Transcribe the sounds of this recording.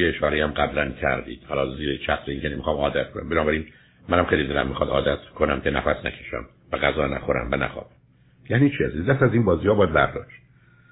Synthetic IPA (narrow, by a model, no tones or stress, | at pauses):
eeʃɒːɾejæmɡæblæncʰæ̰ɾd̪ḭːd̪̥hɒːlɒːziːɾet͡ʃʰæxseiːŋcʰenemixɒːmɒːd̪æt̪̚kʰonæ̰mbenɒːbæɾiːn | mænæmxejliːd̪elæ̰mːixɒd̪ɒ̰ːd̪æt̪kʰonæmcʰenæ̰fæsnæ̰kʰe̥ʃæ̰m | væɣæzɒːnæ̰xo̞ɾæ̰mvænæ̰xɒ̰ːb̥æm | jæːniːt͡ʃʰiæzid̪æst̪æziːnbɒːziːhɒːbɒːjæd̪bæɾd̪ɒ̰ːʃt̪̚